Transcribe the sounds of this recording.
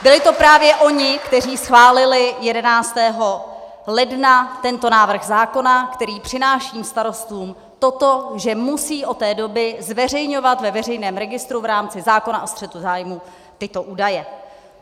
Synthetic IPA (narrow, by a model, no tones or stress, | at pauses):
bɪlɪt̪o̞pɾaːvjɛʔo̞ɲɪkt̪ɛr̝iːsxvaːlɪlɪjɛdɛnaːt͡st̪ɛːɦo̞ | lɛdnat̪ɛnt̪o̞naːvr̩ɣzaːko̞nakt̪ɛɾiːpr̝̥ɪnaːʃiːmst̪aɾo̞st̪uːm | t̪o̞t̪o̞ʒɛmusiːʔo̞t̪ːɛːdo̞bɪzvɛr̝ɛjɲo̞vat̪vɛvɛrɛjnɛːmɾɛɡɪst̪ɾuvɾaːmt͡sɪzaːko̞naʔost̪r̥ɛt̪uzaːjmu | t̪ɪt̪o̞ʔuːdajɛ